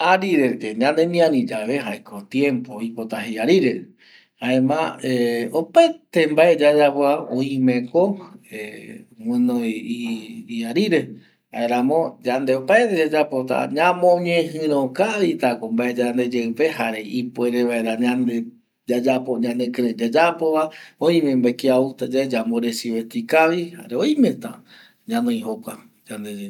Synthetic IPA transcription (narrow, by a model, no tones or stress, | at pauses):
aɾiɾekeɲãnd̪emĩãɾĩd͡ʒaʋeɦajkʰot̪jẽ̞mpoipo̞t̪aɦejaɾiɾe | haẽmã̰eopaet̪embaed͡ʒad͡ʒapwaõĩmẽ̞koewɨ̃noiaɾiɾe | a̰eɾamõd͡ʒand̪eopaet̪ed͡ʒad͡ʒapot̪a̰ɲãmõɲẽɦɨ̃ɾ̃õkaʋit̪akombaʔed͡ʒand̪e̞d͡ʒewpe̞haɾe̞ʔipoeɾeʋaeɾaɲãnd̪e | d͡ʒad͡ʒapoɲãnd̪ekɾed͡ʒad͡ʒapoβaõĩmẽmbakiaut̪ad͡ʒad͡ʒamboɾesiβet̪ikaʋiha̰ɾeojĩmẽt̪a | ɲãnõĩɦokʷa | d͡ʒand̪ed͡ʒe